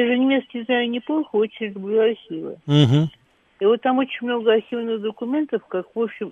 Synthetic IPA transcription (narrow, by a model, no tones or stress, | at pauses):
jaʐɨnʲɪmʲe̞t̪skʲɪznajʊnʲɪplˠolˠxəo̞t͡ɕɪnʲlʊblʲuɐrxʲivɨ̰ | ivo̞t̪ːamo̞t͡ɕɪnʲmno̞ɡəɐrxʲivnɨxd̪əkʊmʲe̞nt̪əfkakvopɕːɪm